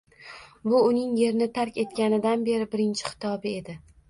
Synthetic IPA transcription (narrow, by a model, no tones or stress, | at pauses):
bʊʊnɪŋje̞ɾnɪt̪ʰaɾkʲe̞t̪kʲanɪd̪anbe̞ɾɪbɪɾɪnt͡ʃʰɪ̥χɪ̥t̪ʰɒbɪe̞d̪ɪ